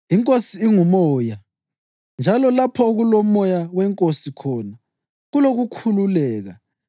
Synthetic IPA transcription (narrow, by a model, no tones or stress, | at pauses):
iŋkʼosiːŋumɔːja | nd͡ʒʱalɔlapʰɔoɣulɔmɔjawɛŋkʼosikʰɔna | ɣuloɣukʰululɛːɣa̰